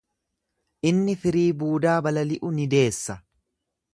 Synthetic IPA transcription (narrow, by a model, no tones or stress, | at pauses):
ʔɪnːɪfɪɾiːbuːd̪aːbɐlɐlɪʔʊnɪd̪e̞ːsːɐ